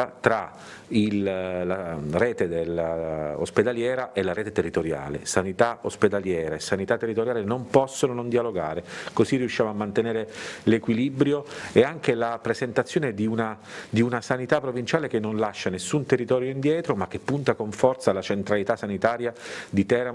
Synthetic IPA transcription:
at̪ɾa | illareːt̪ed̪elːao̰sped̪aljɛːɾaʔelaɾeːt̪et̪erːit̪oɾja̰ːlḛsanit̪aosped̪aljɛːɾesanit̪at̪ːerːit̪oɾjaːlenompɔsːononõnd̪ialoɡa̰ːɾekozirːiuʃːjaːmoamːant̪eneːɾelekwilibɾjoeaŋk̟elapɾezent̪at̪sːjoːned̪iuna | d̪iunasanit̪apːɾovint͡ʃaːlek̟enːonlaʃːanesːunt̪erːit̪ɔːɾjoind̪jɛːt̪ɾomak̟ːepːunt̪akoɱfɔrt̪salat͡ʃent̪ɾalit̪asːanit̪aːɾjad̪it̪ɛɾa

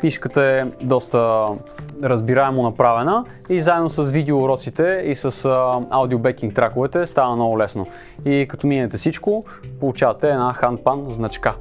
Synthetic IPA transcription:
kniʃkət̪əɛd̪ɔst̪ə | ɾəzbiɾaɛmonɐpɾavɛnə | izaɛd̪nosɐsvid̪ɛoɾɔt̪sit̪ɛisəsawd̪iobɛkʲiŋk̚t̪ɾakʊvɛt̪ɛst̪anənɔvʊlɛsno | ikɐt̪ɔminɛt̪ɛsit͡ʃko | polˠut͡ʃavɐt̪ɛːnaxanpanznɐt͡ʃka

